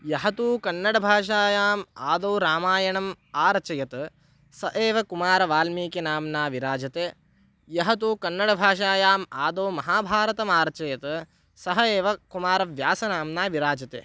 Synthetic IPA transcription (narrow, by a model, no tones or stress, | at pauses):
jɐɦɐt̪uːkɐnːɐɽɐbʱaːʂ̬aːjaːmaːd̪oːɾaːmaːjɐɳɐm | aːɾɐt͡ʃɐjɐt̪ | sɐʔeːʋɐkumaːɾɐʋaːlmiːkenaːmnaːʋiɾaːd͡ʒɐt̪eː | jɐɦɐt̪uːkɐnːɐɽɐbʱaːʂ̬aːjaːmaːd̪oːmɐɦaːbʱaːɾɐt̪ɐmaːɾɐt͡ʃɐjɐt̪ | sɐɦɐeːʋɐkumaːɾɐʋjaːsɐnaːmnaːʋiɾaːd͡ʒɐt̪ḛː